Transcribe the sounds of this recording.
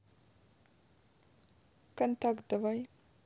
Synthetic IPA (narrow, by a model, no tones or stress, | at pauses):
kɐnt̪akd̪avaj